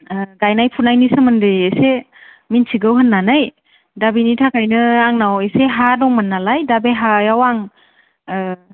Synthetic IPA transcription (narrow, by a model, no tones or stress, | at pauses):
ɡajnajpʰunajnisɯmɯndɯjese | mintʰiɡɯwɦɯnːanaj | dabinitʰakʰajnɯaŋnaweseɦadɔŋmɯnːalajdabeɦajawaŋ